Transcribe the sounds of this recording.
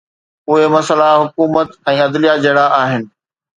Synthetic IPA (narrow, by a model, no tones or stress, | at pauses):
ʊɦemɐsəlaɦʊkuːmət̪ɛ̃ːɐd̪lijad͡ʑɐːɽaʔaːɦɪnɪ̆